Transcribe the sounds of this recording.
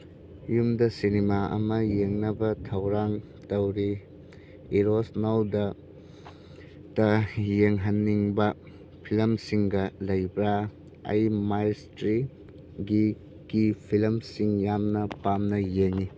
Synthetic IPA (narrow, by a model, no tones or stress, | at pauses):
jumdɐsinimaʔɐ̰mɐjeŋnɐbɐtʰɐwɾaŋ | tɐwɾi | iɾosnawdɐ | tɐjeŋɦɐnːiŋbɐ | pʰilɐmsiŋɡɐlɐjbɾa | ɐ̰jmajstɾi | ɡi | ɡipʰilmsiŋjamnɐpamnɐjeŋi